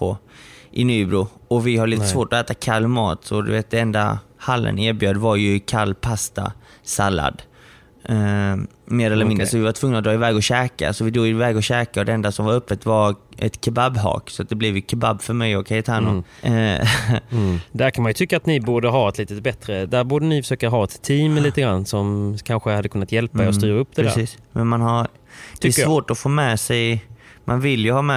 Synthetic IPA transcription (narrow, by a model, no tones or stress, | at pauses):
oʔɪnyːbɾuːɔvɪhaɾɭiːt̪əsvoːʈɔɛːt̪akʰalːmɑ̰ːt̪sɔd̪ɵ̰veːt̪̚d̪ɛɛnd̪a̰halːə̰neːɾbjœːd̪vaɾjɵkʰalːpʰast̪a̰ | salːa̰d̪ | meːɾɛlːəɾmɪnd̪ɾəsɔvɪvaʈ̪ʰvɵŋːnaɔd̪ɾɑːɪvɛːɡɔɕɛːka̰sɔvɪd̪ɾuːɡvɛːɡɔɕɛːkaɔd̪ɛɛnd̪asɔmvaɾœpːət̪vaɾɛ̰t̪kʰababɦɑ̰ːksɔat̪̚d̪ɛblɪvjkʰababːfœɾmɛjɔkʰajət̪ʰaːnʊ̰ | d̪æɾkʰanmanjɵt̪ʰʏkːaːt̪nɪbuːɖəɦɑːɛt̪liːt̪ət̪bɛt̪ɾəd̪æɾbuːɖənɪfœʂøːkaɦɑːɛt̪ʰːiːmliːt̪əɡɾanːsɔmkʰanɧəhad̪ːkɵnːat̪jɛlpaeɾɔst̪yːɾaɵp̚ːd̪ɛæ̰ɾsiːsmɛnmanɦaɾ | d̪ɛvoːʈɔfoːmɛːsɛj | mʔanvɪljɵhɑːmɛ